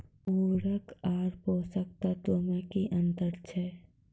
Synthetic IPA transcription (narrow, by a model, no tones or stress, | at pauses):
oːɾəkaːɾpoːsək̚t̪at̪oːmãkiʔə̃nt̪əɾt͡ʃʰɛ